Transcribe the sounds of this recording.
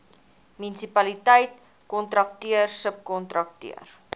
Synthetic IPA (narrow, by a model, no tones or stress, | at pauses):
mynisipɐlitəjt̚ | kɔntɾɐk̚tiərsəp̚kɔntɾɐk̚tḭər